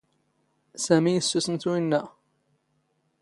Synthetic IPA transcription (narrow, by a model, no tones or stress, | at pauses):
sæmijəsːusənθwinːæ